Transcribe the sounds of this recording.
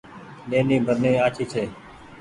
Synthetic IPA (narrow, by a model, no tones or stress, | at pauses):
ɗeːnĩːbʱəɾnẽːaːt͡ʃʰiːt͡ʃʰeː